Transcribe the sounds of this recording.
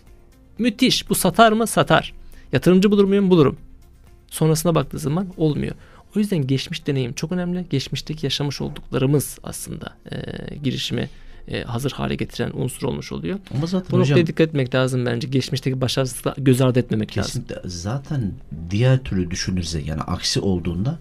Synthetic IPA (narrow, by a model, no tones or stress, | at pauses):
myt̪ʰiʃb̥usat̪ʰaɾmɯsat̪ʰa̰ɾ̥jat̪ʰɯɾɯmd͡ʒɯbulˠuɾmujumbulˠuɾṵm | so̞nɾasɯnabak̚t̪ʰɯːzamano̞lˠmṵjo̰ | ojyzd̪ænɟɛt͡ʃmiʃd̪e̞ne̞jimt͡ʃʰo̞kø̞næmlʲiɟɛt͡ʃmiʃt̪ʰecʰijaʃamɯʃo̞̰lˠd̪uklˠaɾɯmɯz̥a̰slˠɯ̰nd̪a̰ɯ̰ɟiɾiʃimɛ̰ | hazɯɾha̰ːlʲɛ̰ɟe̞t̪ʰiɾæ̰nṵnsuɾo̞̰lˠmuʃolˠujo̞amaat̪bunoajad̪ikʰːat̪et̪mɛcʲlʲaːzɯmbænd͡ʒɛɟɛt͡ʃmiʃt̪ʰecʰibaʃaɾsa̰ɟø̞zaɾd̪ɛt̪me̞mɛclʲa̰ːzɛzaːt̪ʰænd̪ijæɾt̪ʰyɾʲyd̪yʃynyɾzɛja̰ːnḭʔa̰ksiʔo̞lˠd̪uːnd̪a